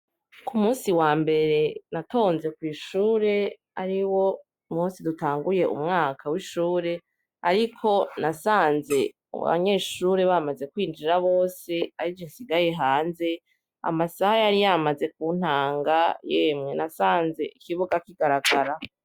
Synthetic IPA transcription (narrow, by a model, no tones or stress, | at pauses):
kumuːnsiwaːmbe̞ɾe̞natʰo̞ːnze̞kwiːʃuːɾe̞ | aɾiwo̞ | umuːnsidutaːŋɡuje̞ʔṵmŋaːkʰawiʃuːɾe̞ | aɾikʰo̞nasaːnze̞̰ | βa̰ɲe̞ːʃuːɾeβamaze̞kwiːnd͡ʒiɾaβo̞ːse̞aɾid͡ʒisiɡaje̞ɦaːnze̞ | a̰masahajaɾijamaze̞k̚uːn̥haːŋɡajeːmŋe̞nasaːnze̞ʔikiβuɡakiɡ̥aɾaɡaɾa